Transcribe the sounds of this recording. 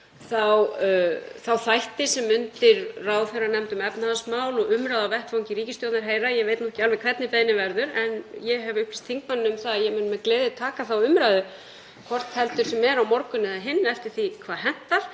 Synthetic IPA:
θaw | θawθajht̪ɪsɛmʏnt̪ɪɾraːwθɛrːanɛmt̪ʏmɛpnaðasmaːwlɔɣʏmɾajðawvɛhpfawŋɲcɪɾiːcɪst̪jowt̪naɾɦeːjɾajɛɣveːjt̪nɔhcɪalvɛkʰvɛt̪nɪpejnɪvɛɾðʏɾɛnjɛɦɛvʏhplɪst̪ʰiŋkmanːnʏmθaðajɛɣmːnmɛðkleːðɪt̪ʰaːkaθawʏmɾaðʏ | kʰvɔr̥t̪hɛlt̪ʏɾ̥sɛmɛɾawmɔɾkʏnɪðaɦɪnːɛft̪ɪɾ̥θikʰv̥aːɾhɦɛn̥t̪aɾ̥

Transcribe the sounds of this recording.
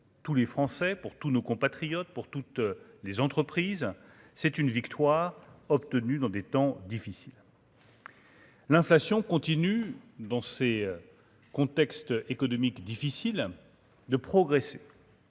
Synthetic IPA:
t̪ulefχɑ̃sɛpuʁt̪unokɔ̃pat̪χijɔt̪̚puʁt̪ut̪lezɑ̃t̪χəpχiːz | sɛt̪ynvikt̪waːʁɔpt̪ənyd̪ɑ̃d̪et̪ɑ̃d̪ifisil | lɛ̃flasjɔ̃kɔ̃t̪inyd̪ɑ̃se | kɔ̃t̪ɛkst̪ekɔnɔmikd̪ifisil | d̪əpχɔɡʁese

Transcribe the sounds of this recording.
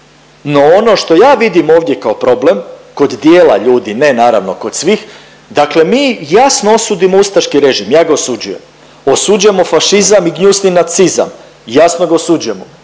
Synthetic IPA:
no̞ono̞ʃt̪o̞jaːʋid̪imo̞ːʋd̪je̞kaopɾo̞ble̞mko̞d̪d̪jeːla̰ʎuːd̪ine̞naːɾa̰ʋno̞ko̞d̪̥sʋix | d̪akle̞miːjasnoo̞suːd̪imoust̪aʃkiɾe̞ʒimjaːɡaosud͡ʑuje̞m | osud͡ʑujemofaʃizamiɡɲusninat̪siza̰m | jasnoɡaosud͡ʒujemo

